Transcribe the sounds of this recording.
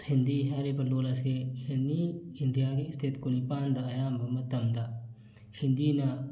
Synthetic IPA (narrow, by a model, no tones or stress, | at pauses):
hɪnd̪iɦaɾepɐloːlɐseeniɪnd̪ijaːkiɪst̪ʰɪt̪konipaːnd̪aɐjaːmbɐmɐt̪ɐmd̪a | hɪnd̪ina